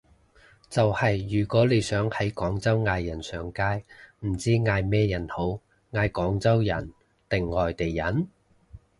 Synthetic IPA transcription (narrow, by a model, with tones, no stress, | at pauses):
t͡sɐ˨whɐ˨jːyː˨˩kʷɔː˨˥le˨˧jsœː˨˥ŋhɐ˨˥jkɔː˨˥ŋt͡sɐ˥wŋaː˧jːɐ˨˩nsœː˨˩ŋkaː˥jm̩˨˩t͡siː˥ŋaː˧jmɛː˥jɐ˨˩nho˨˥w | ŋaː˧jkɔː˨˥ŋt͡sɐ˥wjɐ˨˩n | t̪ɪ˨ŋːɔː˨jt̪e˨jːɐ˨˥n